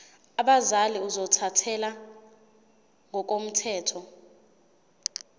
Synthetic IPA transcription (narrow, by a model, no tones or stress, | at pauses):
aɓazaliuzɔtʰatʰɛla | ŋɔk̬om̩tʰɛːtʰɔ